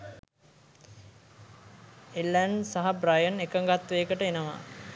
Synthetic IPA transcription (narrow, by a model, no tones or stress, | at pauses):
elːænsaɦabrajənekəŋɡat̪ʋeːkəʈəenəʋa̰